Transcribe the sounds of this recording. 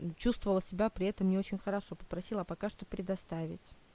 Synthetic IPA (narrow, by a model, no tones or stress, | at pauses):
t͡ɕust̪vəvəlˠəsʲɪbʲapɾʲɪɛt̪əmːnʲeo̞t͡ɕɪnʲxəɾɐʂo̞pə̥pɾɐsʲilˠəapɐkaʂt̪o̞pɾʲɪd̪ɐst̪avʲɪ̰tʲ